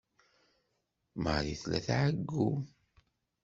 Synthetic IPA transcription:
məɾiθlæ̰θʕəɡːu

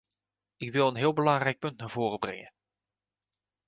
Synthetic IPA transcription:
ɪkʋɪlˠənɦɪːlˠbəlɑŋrɛjk̚pɵntnaːɹvoːrəbrɛ̰ŋə

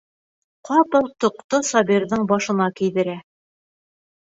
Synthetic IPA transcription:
qɑpɤlˠt̪ŏqt̪osɑbirðɤɴbɑʃɤ̆nɑkĭjðɘ̆ɾæ

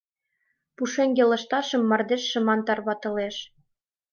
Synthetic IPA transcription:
puʃeŋɡelɤ̆ʃt̪ɑʃɤ̆mːɑrd̪eʃːɤ̆mɑnt̪ɑrβɑt̪ɤ̆leʃ

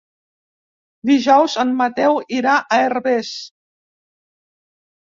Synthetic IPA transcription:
d̪iʒɔwzənmət̪ɛwiɾaʔəerβɛs

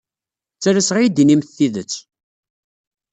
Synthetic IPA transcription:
t͡sːæɾæsʁajid̪inimθθiðət͡sː

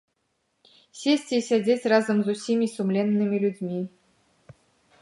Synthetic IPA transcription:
sʲesʲtʲisʲad͡zʲet͡sʲrazəmzusʲimʲisumlʲɛnːɨmʲilʲud͡zʲmʲi

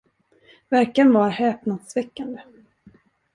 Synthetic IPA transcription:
væɾkanvaɾhɛːpnad̪svɛkːand̪ə

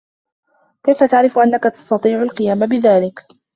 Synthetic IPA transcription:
kajfat̪aʕɾɪfʔanːakat̪ɑ̥st̪ɑt̪ˤiːʕʊlqɨjaːmabɪðaːlɪk

